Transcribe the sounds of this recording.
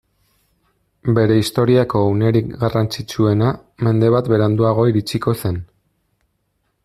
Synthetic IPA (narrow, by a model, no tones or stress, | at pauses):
be̞ɾe̞ist̪o̞ɾiako̞ːwne̞ɾikɡarant͡sit͡ʃue̞na | me̞nd̪e̞βat̪be̞ɾand̪uaɣ̞o̞iɾit͡siko̞se̞n